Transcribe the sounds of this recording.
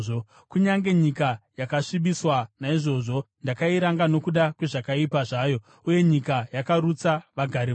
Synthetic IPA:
o | kuɲaŋɡe̞ɲikajakaʂiɓiswanaiʐo̞ʐo̞ | ndakaiɾaŋɡano̞kuɗakwe̞ʐakaipaʐaːjo̞ | uje̞ɲikajakaɾut͡saʋaɡʱaɾi

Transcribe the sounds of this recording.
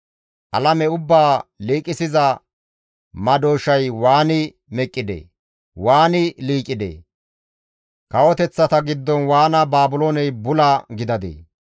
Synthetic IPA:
ʔɐ̰lɐmɛʊbːaːliːkʼɪsɪzɐ | mɐd̪oːʃɐjwaːnɪ | mɛkʼːɪd̪ḛː | waːnɪliːkʼɪd̪ḛː | kɐwɔt̪ɛt͡sːɐt̪ɐɡɪd̪ːɔnwaːnɐbaːbʊloːnɛjbʊlaɡɪd̪ɐd̪ḛː

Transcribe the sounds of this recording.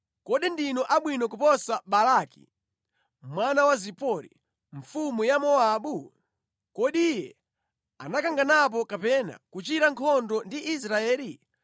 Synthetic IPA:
kɔɗindinɔʔaɓwinɔkupɔsaɓalakḭ | mwanawazipɔɾḭ | ɱ̩fumujamɔaːɓu | kɔɗijɛ | a̰nakaŋɡanap̬ɔkapɛna̰kut͡ʃiɾaŋkʰɔndɔndiʔːsɾaɛːli

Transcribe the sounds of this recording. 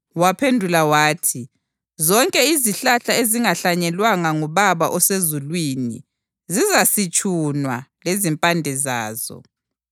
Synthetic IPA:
wapʰendʱulawaːtʰi | zɔŋkʼɛiziɬaɬaeziŋaɬaɲɛlwaŋaŋuβaβaʔɔsezulwinḭ | zizasit͡ʃʼunwalezimpʼandʱɛza̰ːz̥ɔ̰

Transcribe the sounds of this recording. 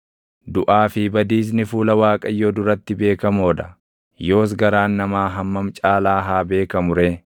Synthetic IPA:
d̪ʊʔaːfɪbɐd̪iːs̬nɪfuːlɐwaːkʼɐjːoːd̪ʊɾɐt̪ːɪbe̞ːkɐmo̞ːd̪ɐ | jo̞ːs̬ɡɐɾaːnːɐmaːɦɐmːɐmt͡ʃʼaːlaːɦaːbe̞ːkɐmʊɾe̞ː

